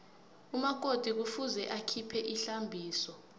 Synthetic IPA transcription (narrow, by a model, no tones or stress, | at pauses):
umakʼod̥ʱik̬ufuzɛʔakʰipʰɛʔiɬambʱiːsɔ